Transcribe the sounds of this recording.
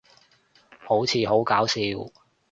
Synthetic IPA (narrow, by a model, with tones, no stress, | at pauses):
ho˨˥wt͡sʰiː˨˧ɦo˨˥wkaː˨˥wsiː˧w